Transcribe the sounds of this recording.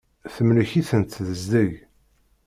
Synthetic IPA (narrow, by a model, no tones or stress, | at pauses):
θəmləçiθənt̪ðəzd̪əʝ